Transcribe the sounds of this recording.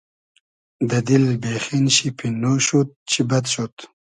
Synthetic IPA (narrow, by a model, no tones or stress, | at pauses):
d̪ɐd̪ilbexinɕipʰinoɕut̪̚t͡ɕʰibat̪ʃot̪